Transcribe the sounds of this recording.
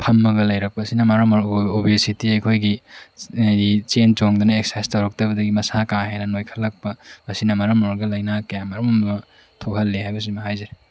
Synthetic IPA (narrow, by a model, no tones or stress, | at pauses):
pʰɐmːɐɡɐlɐjɾɐk̚pɐsinɐmaɾɐmɐɾobesitiɐjkʰojɡi | dit͡ʃent͡ʃoŋdɐnɐek̚sajstɐwɾɐk̚tɐbɐdɐɡimɐsakaɦejnɐnojkʰɐlːɐk̚pɐmɐsinɐmɐɾɐmoɾɐɡɐlɐjnakɐjamɐɾɐmɐmɐ | tʰohɐlːeɦajbɐs̬imɐɦajzɐɾi